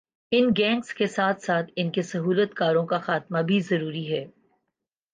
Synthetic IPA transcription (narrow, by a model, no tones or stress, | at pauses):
ɪnɡɛ̃ːŋkskesaːt̪ʰsaːt̪ʰɪnkesɐɦuːlət̪kaːɾõkaxaːt̪mabʱizɐɾuːɾiɦɛː